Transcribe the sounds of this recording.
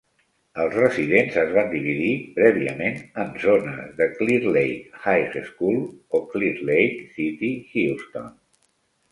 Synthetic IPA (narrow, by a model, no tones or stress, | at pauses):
əlˠzrəziðenzəzβand̪iβ̞iðipɾɛβiə̰menənzonə̰ðəkliɾlejkhajɾeskulˠokliɾlejksit̪ixilst̪o̰n